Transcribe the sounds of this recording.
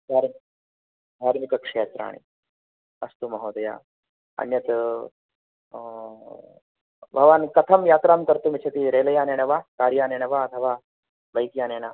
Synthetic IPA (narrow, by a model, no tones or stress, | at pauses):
d̪ʱaːɾm | d̪ʱaːɾmikɐkʂeːt̪ɾa̰ːɳ̃ḭ | ɐ̰st̪umɐɦoːd̪ɐja̰ː | ɐ̰njɐt̪ | bʱɐʋaːnkɐt̪ʰɐmjaːt̪ɾaːmt̪ɐɾt̪umit͡ʃʰɐt̪iɾeːlɐjaːneːɳɐʋaːkaːɾjaːneːɳɐʋaːɐt̪ʰɐʋaː | bɐjk̪jaːneːnaː